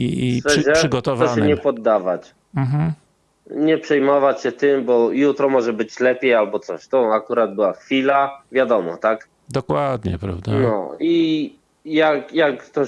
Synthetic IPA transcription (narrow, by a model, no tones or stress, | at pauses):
iiɛzɛʂɨɡɔt̪ɔvɔaɕnɛɲɛpɔd̪ːavat͡ɕ | m̩ɦ̩ | ɲɛpʂɛjmɔvat͡ɕɕɛt̪ɘmbɔjut̪ɾɔmɔʐɛbɘt͡ɕlɛpʲjɛjalbɔt̪sɔɕt̪ɔakuɾad̪̚bɘwaxfʲilavʲjad̪ɔmɔ̰t̪ak | d̪ɔkwad̪ɲɛ̰pɾa̰vd̪a̰nɔ̰i | jakjakːt̪ɔ